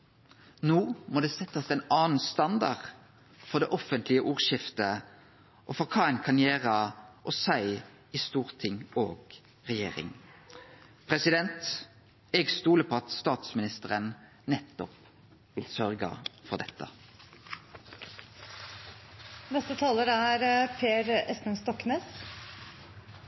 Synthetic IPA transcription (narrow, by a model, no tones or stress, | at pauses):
nuːmoːd̪ɛːsɛt̪ːəsɛɪnɑːnn̩st̪ɑnd̪ɑ̰ʁ | fɔʁd̪ɛːʔɔfənt̪lɪəʔuːʁʃɪft̪ə | ʔɔfɔʁkʰɑːɛɪnkʰɑnjeːʁəʔɔsæɪ | ist̪uːʁt̪ʰɪŋoːɡ | ʁɛjḛːʁɪ̰ŋ | pʰʁɛsɪd̪ɛnt̪ | ɛɡst̪uːləpʰoːɑt̪st̪ɑːt̪smɪnɪst̪əʁən | nɛt̪ːɔp | ʋɪlsœʁɡə̰fɔʁd̪ɛt̪ːə̰ | nɛst̪ət̪ʰɑːləɾæɾpʰeːɾɛst̪ənst̪ɔkneːs